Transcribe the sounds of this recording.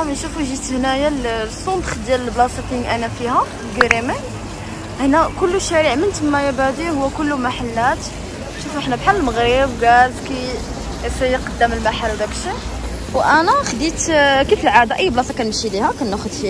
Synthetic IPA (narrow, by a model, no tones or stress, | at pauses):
mənʃufuʒit̪hnæjalsˤːond̪xd̪jæləlblɑsˤɑfəŋʔænæfihæ | ɡiɾimi | hnækʊlːuʃæɾiʕmənt̪əmːæjæbæd̪ihʊwːækʊlːumaħalːæt̪ | ʃufuʔəħnæbħallməɣɾəbɡælbki | fijqɑd̪ːəməlmaħalːwd̪ækəlʃi | wʔænæxd̪it̪kifəlʕad̪aʔəjːblɑsˤɑkænməʃilihækænːæxʊd̪fi